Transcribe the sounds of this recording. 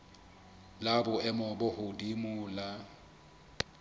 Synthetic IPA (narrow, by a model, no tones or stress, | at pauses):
labʊɛmɔbʊhʊdimʊːla